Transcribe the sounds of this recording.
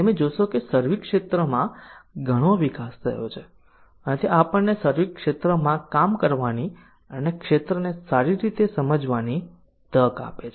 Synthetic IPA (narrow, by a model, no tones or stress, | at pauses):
emẽd͡ʒoʃokesəɾʋikʂet̪ɾəmãɡʱəɽ̃oʋikast̪ʰə̰ɦjo̰t͡ʃʰe | ənt̪ʰeapəɳːesəɾʋikʃet̪ɾəmãkamkəɾʋani | ənekʃet̪ɾənesaɾiɾit̪esəməd͡ʒʋani | t̪əka̰pet͡ʃʰ